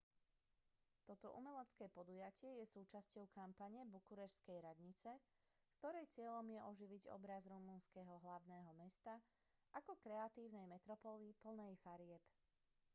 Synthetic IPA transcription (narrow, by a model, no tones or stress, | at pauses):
t̪ɔt̪ɔʔumɛlɛt͡skɛːpɔd̪ujacɪɛjɛsuːt͡ʃascɔʊkampaɲɛbukuɾɛɾskɛjɾad̪ɲit͡sɛ | skt̪ɔɾɛjt͡sɪɛʎɔmjɛʔɔʒiʋiɟɔ̰bɾazɾumunskɛɦɔɦlaʊnɛːɦɔmɛst̪a | akɔkɾɛat̪iːʊnɛjmɛt̪ɾɔpɔliːpl̩nɛjfaɾɪɛp